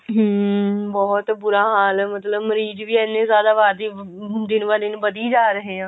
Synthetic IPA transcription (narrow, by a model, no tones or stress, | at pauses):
ɦəbɔːt̪bʊɾaːɦaːlɛmət̪ləbməɾiːd͡ʒʋiːɛːnːẽːzjaːd̪aːʋaːɾd̪iː | d̪ɪnʋaːd̪ɪnbəd̪iːd͡ʒaːɾəɦeːãː